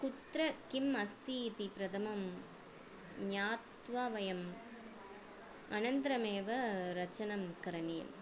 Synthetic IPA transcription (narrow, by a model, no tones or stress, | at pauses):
kut̪ɾɐkimɐst̪it̪ipɾɐd̪ɐmɐm | ɲjaːt̪ʋaːʋɐjɐm | ɐnɐnd̪ɾɐmeːʋɐɾɐt͡ʃɐnɐmkɐɾɐnɪjɐ̰m